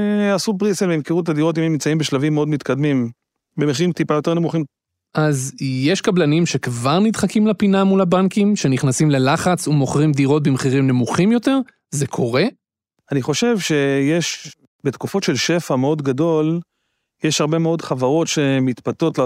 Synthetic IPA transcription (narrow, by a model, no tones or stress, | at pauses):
asubʁiselvemkeʁutadiʁo̞t̬imemːimt͡saimbeʃlavimːeo̞dmit̪kad̪mim | bemeχiʁimtipajo̞t̪eʁnemuχim | ʔazje̞ʃkablanimʃe̞kvaʁnid̪χakimlapinamulabankimʃe̞niχnasimle̞laχat͡sumo̞χʁimd̪iʁo̞t̚bimeχiʁimne̞muχimjo̞te̞ʁ | ze̞kʰo̞ʁe̞ | aniχo̞ʃe̞vʃe̞jeʃ | bet̪kufo̞tʃe̞lʃe̞fameo̞dɡado̞l | jeʃhaʁbe̞meo̞dχavaʁo̞tʃemit̪pato̞tl